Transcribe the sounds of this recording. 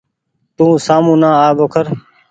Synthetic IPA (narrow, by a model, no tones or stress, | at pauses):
t̪ũːsaːmũːnãːaːboːkʰəɾ